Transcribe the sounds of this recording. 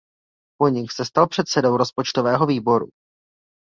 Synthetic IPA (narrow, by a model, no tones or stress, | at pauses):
poɲɪxsɛst̪alpr̥ɛt̪sɛdo̞wɾo̞spo̞t͡ʃt̪ovɛːɦo̞viːbo̞ɾṵ